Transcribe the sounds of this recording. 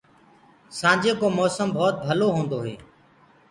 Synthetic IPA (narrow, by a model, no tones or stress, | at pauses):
sãːd͡ʒeːkoːmɔːsəmbʱɔːt̪̚bʱəloːɦõːnd̪oːɦḛː